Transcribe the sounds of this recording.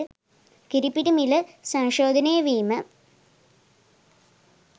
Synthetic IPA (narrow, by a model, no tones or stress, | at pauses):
kiɾipːiɾumilɨsɐŋʂoːd̪ʱɐneːʋiːmɐ